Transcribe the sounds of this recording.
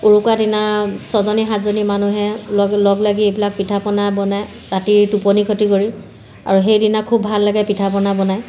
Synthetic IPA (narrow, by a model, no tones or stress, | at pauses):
uɹukwadinasɔzɔniɦatzonimanuɦɛlɔlɔɡlaɡiejbilak̚pitʰapɔnabɔnaj | ɹatiɹtupɔnikʰotikoɹi | a̰ɹuxejdinakʰubʱalːaɡɛpitʰapɔnabɔnaj